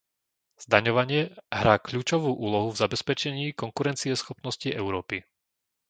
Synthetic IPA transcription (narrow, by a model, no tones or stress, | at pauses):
z̥d̪aɲɔʋaɲɪɛɦɾaːkʎuːt͡ʃɔʋuːʔuːlɔɦuvzabɛspɛt͡ʃɛɲiːkɔŋkuɾɛnt͡siɛsxɔpnɔsciʔɛʊɾɔːpi